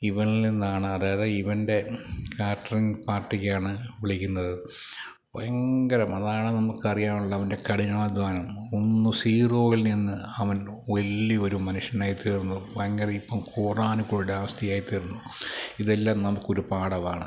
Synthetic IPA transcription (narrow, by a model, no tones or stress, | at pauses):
iʋɐŋilninːaːɳɨɐðaːjɐðeiʋɐnde̞kaːrʈɐriŋpaːrʈːikʲːaːɳɨʋiɭikʲːunːɐðɨ | pojɐŋɡɐɾɐmɐðaːɳɨnɐmukːɨɐrijaːmuɭːɐːʋɐnde̞kɐɽiɲɐːɭɐd̪ʋaːnɐmonːusiːro̞ːɣilninːɨɐʋɐn | ʋɐlːio̞ɾumɐnuʂjɐnaːjit̪ːiːɾunːupɐjɐŋɡɐɾɐmipːɐmkʰuːraːnukːoɭiɽaːʋɐst̪ʰijaːjit̪ːiːɾunːuiðelːaːmnɐmukːo̞ɾupaːɽɐʋaːɳɨ